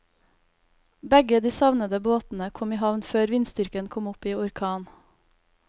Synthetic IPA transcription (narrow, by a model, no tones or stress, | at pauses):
bɛɡəd̪iːsɑʋnəd̪əboːt̪n̩əkʰɔmiːhɑʋnføːɾʋɪnst̪ʏɾkənkʰɔmʊpiːʊɾkʰɑːn